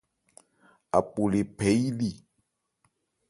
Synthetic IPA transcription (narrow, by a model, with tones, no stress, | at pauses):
a̰˨k͡pu˨le˨pe˨˦i˦li˨